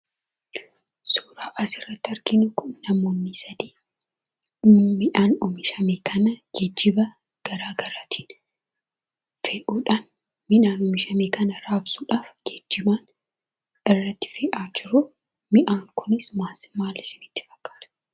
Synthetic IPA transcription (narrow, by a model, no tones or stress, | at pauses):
suːɾaːʔɐsɪrːɐt̪ːɪɐɾkɪnʊkʊnːɐmo̞ːnːisɐd̪iː | mɪʔaːnʊmɪʃɐmeːkʰɐnɐɡɛd͡ʒːɪbɐ | ɡ̥ɐɾaːɡɐɾaːt̪ʰi̥ːn | feːʔuːᶑaːn | mɪᶑaːnʊmɪʃɐmeːkɐnɐɾaːbsuːᶑaːfɡɛd͡ʒːɪbaːn | ɪrːɐt̪ːɪ̥feːʔaːd͡ʒɪɾʊ | mɪʔaːŋkʊnɪsmaːsmaːlːɪsɪnɪt̪ːɪ̥fɐ̥kːḁːt̪ʊ̥